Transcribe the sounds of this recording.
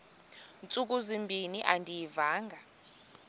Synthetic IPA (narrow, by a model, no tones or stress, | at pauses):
nt͡sʼuk̬ʼuzimbʱiniʔandʱijivaːŋɡʱa